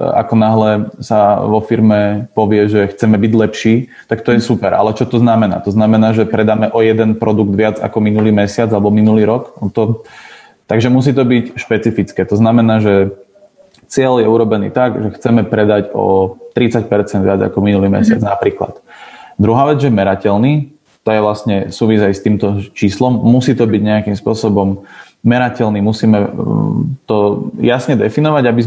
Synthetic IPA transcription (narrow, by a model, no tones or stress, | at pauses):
a̰kɔnaɦlɛsaʋɔfiɾmɛpɔʋɪɛʒɛxt͡sɛmɛbiɟlɛpʃiː | t̪akt̪ɔjɛsupɛɾa̰lɛt͡ʃɔt̪ɔznamɛna̰ːt̪ɔznamɛnaːʒɛpɾɛd̪aːmɛʔɔjɛd̪ɛnpɾɔd̪uɡd̪ʋɪad͡za̰kɔminuliːmɛsɪad͡zalɛbɔminuliːɾɔkɔt̪ɔ | t̪aɡʒɛmus̬iːt̪ɔbicʃpɛt͡sifit͡skɛːt̪ɔznamɛnaːʒɛ | t͡sɪɛljɛuɾɔbɛnḭːt̪aɡʒɛxt͡sɛmɛpɾɛd̪aɟɔ̰t̪ɾit͡sac̚pɛɾt͡sɛnd̪ʋɪad͡za̰kɔminuliːmɛ̰sɪa̰d͡znapɾiːkla̰t̪d̪ɾuɦaːʋɛd͡zʒɛmɛɾacɛlniː | t̪ɔjɛʋlasɲɛsuːʋizajst̪iːmt̪ɔt͡ʃiːslɔmːusiːt̪ɔbiɟɲɛakimspʊɔsɔbɔmː | ɛɾacɛlnimusiːmɛ | t̪ɔjasɲɛd̪ɛfinɔʋaɟabiz